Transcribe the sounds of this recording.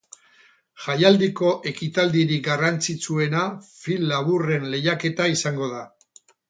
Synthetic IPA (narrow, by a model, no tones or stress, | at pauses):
ʝajald̪iko̞ʔe̞kit̪ald̪iɾiɡarant͡sit͡sue̞nafilːaβure̞nle̞jake̞t̪aisaŋɡo̞ða